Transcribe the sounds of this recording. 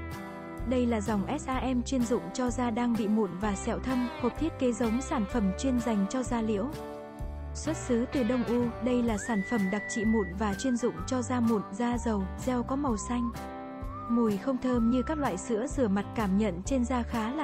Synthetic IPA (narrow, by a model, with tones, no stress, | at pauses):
ɗə˧jlaː˨˩za˨˩wŋ͡mʔɛ˦˥t̚ʔaː˧ʔɛ˧mt͡ɕwi˧ənzʊ̰˧˨ŋ͡mt͡ɕɔ˧zaː˧ɗaː˧ŋɓḭ˧˨mu˧˩nvaː˨˩sɛ̰˧˩˨wt̪ʰə˧mho˨˩p̚t̪ʰi˦˥ət̚ke˨˦zə˨˦wŋ͡msaː˧˩nfə˧˩mt͡ɕwi˧ənza˨˩jŋ̟t͡ɕɔ˧zaː˧lḭ˧˥əw | swə˦˥t̚sɨ˨˦t̪ɨ˨˩ɗə˧wŋ͡mʔu˧ɗə˧jlaː˨˩saː˧˩nfə˧˩mɗa˨˩k̚t͡ɕḭ˧˨mṵ˧˩nvaː˨˩t͡ɕwi˧ənzʊ̰˧˨ŋ͡mt͡ɕɔ˧zaː˧mu˨˩˨nzaː˧zə˨˩wzɛ˧wkɔ˨˦ma˨˩wsa˧jŋ̟ | mu˨˩jxə˧wŋ͡mt̪ʰəː˧mɲɨ˧kaː˦˥k̚lwa̰ː˧˨jsɨ̰˧˥əzɨ˧˩əma˨˩t̚kaː˧˩mɲə̰˧˨nt͡ɕe˧nzaː˧xaː˨˦l